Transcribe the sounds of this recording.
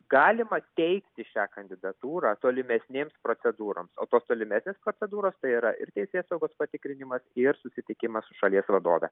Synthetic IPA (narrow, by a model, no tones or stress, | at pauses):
ɡɑːlʲɪmɐt̪ʲɛɪkt̪ʲɪʃʲæːkɐnʲd̪ʲɪd̪ɐt̪uːɾɑːt̪oːlʲɪmʲɛsʲnʲeːmspɾoːsʲɛd̪uːɾo̰ːmsoːt̪oːst̪oːlʲɪmʲæːsʲnʲeːspɾoːtsʲɛd̪uːɾoːst̪ɐɪiɾɐʔɪ̰ɾt̪ʲɛɪsʲeːsɐʊɡoːspɐt̪ʲɪkɾʲɪnʲɪmɐsɪɾsʊsʲɪt̪ʲɪkʲɪmɐsʊʃɐlʲiɛsʋɐd̪o̰ːʋʲɛ̰